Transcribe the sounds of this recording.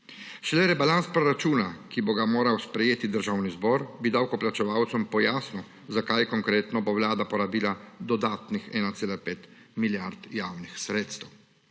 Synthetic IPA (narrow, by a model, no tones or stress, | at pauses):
ʃlɛɾɛbalanspɾɔɾat͡ʃuːnakiboɡamoːɾawspɾɛjeːt̪id̪əɾʒaːwnizbɔːɾbid̪awkɔplat͡ʃɛʋawt̪sɔmpɔjaːsnɔ | zakajɛkɔŋkɾeːt̪nɔbowlaːd̪apɔɾabiːlad̪ɔd̪aːt̪nixɛːnat̪eːlapeːt̪ | miljaɾt̪jawnixsɾeːt̪st̪ɛw